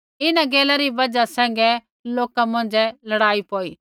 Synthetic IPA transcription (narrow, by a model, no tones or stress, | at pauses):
ɪnãɡeːlaɾibɐd͡ʒasɛ̃ːŋ̆ɡɛ | loːkamɐ̃n̆d͡ʒɛlɐɽaːipoːiː